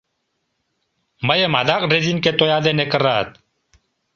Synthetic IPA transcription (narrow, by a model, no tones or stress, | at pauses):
məjemad̪aqʼɖezinket̪ojaːd̪enekəraːt̪̚